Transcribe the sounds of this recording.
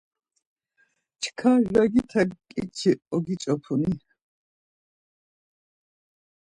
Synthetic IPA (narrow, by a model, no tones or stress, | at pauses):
t͡ʃʰkʰaʒaɡit̪ʰaɡkʼḭt͡ʃʰiʔɔɡit͡ʃʼɔpʰuni